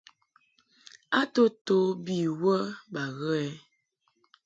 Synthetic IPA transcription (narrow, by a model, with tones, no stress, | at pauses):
a˦to˦to˨˦bi˦˨wə˦ba˨ɣə˦ɛ˦